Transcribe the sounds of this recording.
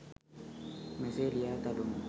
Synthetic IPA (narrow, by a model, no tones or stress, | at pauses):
mɛselijat̪adum